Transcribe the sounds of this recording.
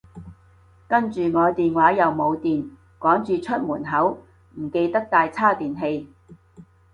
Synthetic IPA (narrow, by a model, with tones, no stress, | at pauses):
kɐ˥nt͡ʃyː˨ŋɔː˨˧jt̪iː˨nwaː˨˥jɐ˨wmo˨˧wt̪iː˨n | kɔː˨˥ŋt͡ʃyː˨t͡ʃʰɵ˥t̚muː˨˩nɦɐ˨˥w | m̩˨˩ke˧jt̪ɐ˥k̚t̪aː˧jt͡sʰaː˥t̪iː˨nɦe˧j